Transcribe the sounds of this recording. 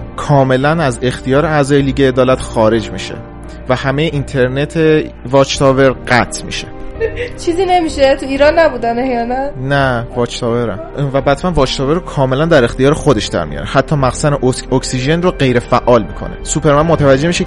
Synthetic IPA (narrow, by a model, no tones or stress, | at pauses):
kʰɒːme̞lænæze̞xt̪ʰijɒːɾeæzɒːjeliːɟeːd̪ɒːlæt̪xɒːɾe̞d͡ʒmḭʃḛ | væhæmejeʔint̪ʰe̞ɾne̞t̪ʰe̞vɒːt͡ʃt̪ʰɒːve̞ɾɢæt̪ʰmḭʃet͡ʃʰiːziːne̞miʃet̪ʰuiːɾɒnːæbuːd̪ænejɒnænævɒt͡ʃt̪ʰɒːveɾæ̰mvæbæt̪mænvɒːt͡ʃt̪ʰɒve̞ɾːokʰɒːme̞lænd̪æɾe̞xt̪ijɒːɾexod̪e̞ʃd̪̥æ̰ɾmḭjɒ̰ːɾehæt̪ʰːɒːmæɣsæneʔooksiʒenroɢe̞jɾe̞fæʔːɒːlmiːkʰo̞̰nesupʰe̞ɾmænmot̪ʰævæd͡ʒːe̞miːʃe